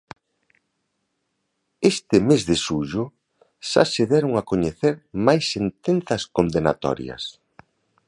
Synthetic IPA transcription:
est̪ɪmezðɪʃuʒʊ | ʃa̰seðɛɾoŋakoɲeθeɾmajsːent̪en̟θɐskond̪ena̰t̪ɔ̰ɾjɐ̰s

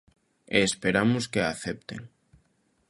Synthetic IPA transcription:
eːspeɾamʊskeaθep̚t̪ḛŋ

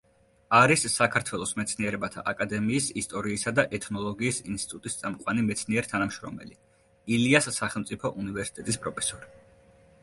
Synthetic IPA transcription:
aɾisːakʰaɾt̪ʰwɛlˠɔsmɛt̪sʰniɛɾɛbat̪ʰa̰ʔakʼad̪ɛmiːsist̪ʼɔɾiːsad̪aʔɛt̪ʰnɔlˠɔɡiːsinst̪it̪ʼut̪ʼist̪sʼamqʼwanimɛt̪sʰniɛɾt̪ʰanamʃɾɔ̰mɛ̰li | iliasːaχɛlˠmt̪sʼipʰɔʔunivɛɾsi̥t̪ʼɛt̪ʼispʼɾɔpʰɛsɔɾi

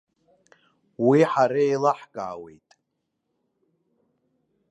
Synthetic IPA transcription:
wiħaɾaelaħɡʼa̰ːwe̞̰jtʼ

